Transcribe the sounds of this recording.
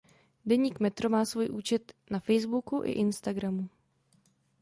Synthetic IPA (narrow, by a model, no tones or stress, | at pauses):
dɛɲiːkmɛt̪ɾo̞maːsvuːjʔuːt͡ʃɛt̪nafɛjzbukuʔɪ̰ʔɪnst̪aɡɾamu